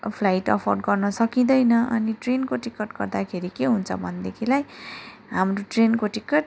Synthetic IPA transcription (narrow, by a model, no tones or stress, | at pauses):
pʰlajʈʌ̰pʰʌrɖɡʌrnʌsʌkid̪ʌjnʌʔʌniʈrenkoʈikʌʈɡʌrd̪akʰeɾikeɦunt͡sʰʌ̰bʱʌnd̪ekʰilaj | ɦamroʈrenkoʈikːʌʈ̚